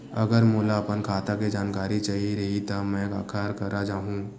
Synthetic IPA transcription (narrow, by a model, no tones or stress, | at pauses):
ɐ̰ɡəɾmuːlaɐpənkʰaːt̪akid͡ʒaːnkaːɾit͡ʃaːɦiɾɐɦit̪ɐmɛ̃kaːkʰaːɾkɐɾad͡ʒaːɦũː